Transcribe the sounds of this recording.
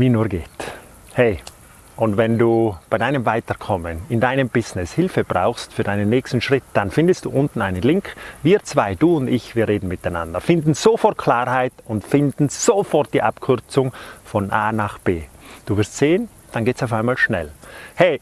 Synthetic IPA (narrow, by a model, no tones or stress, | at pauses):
viːnuːɐɡeːt | hɛɪ | ʔʊndtvɛnduːb̥aɪdaɪnəmvaɪtəɾkʰɔmənɪndaɪnəmbɪznɪshɪlfəb̥ʁa̰ʊxstfyːɐdaɪnənːɛːçstn̩ʃʁ̥ɪtd̥anfɪndəstd̥ṵːʔʊntn̩aɪnənlɪŋkviːt͡sv̥aɪd̥uːʊndɪçviːʁeːdn̩mɪtaɪna̰ndəɾfɪndn̩z̥ofɔrtkʰl̥aːɾhaɪtʊntfɪndn̩z̥ofɔʁt̚d̥iːʔapkʰʏʁt͡sʊŋfɔnʔaːnaχb̥eːd̥uːvɪɐstz̥eːən | d̥anɡeːtt͡saʊfaɪnmaːlʃnɛ̰lhɛɪ